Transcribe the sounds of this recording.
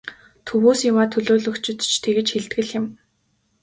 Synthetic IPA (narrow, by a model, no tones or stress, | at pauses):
t̪ʰɵwuːsjʊwaːt̪ʰɵɮoːɮɵ̆kt͡ɕɪ̆t̪t͡ɕʰt̪ʰeɣɘ̆t͡ɕxeɮt̪ɡɘ̆ɮjɪ̆m